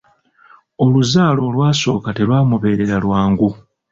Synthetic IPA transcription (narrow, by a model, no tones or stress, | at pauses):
o̞luzaːlo̞ːlwaːso̞ːkate̞lwaːmuβe̞ːɾeɾalwaːŋɡu